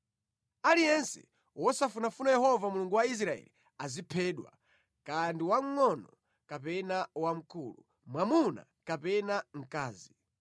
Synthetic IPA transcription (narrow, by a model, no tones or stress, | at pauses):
alijɛnsɛ̰ | wɔsafunafunajɛhɔvamuluŋɡuwais̬ɾaɛ̰li | azipʰɛɗwa̰ | kandiwaŋ̩ːɔnɔ | kapɛnawam̩kuːlu | mwamuna̰ | kapɛnaŋ̩kaːzi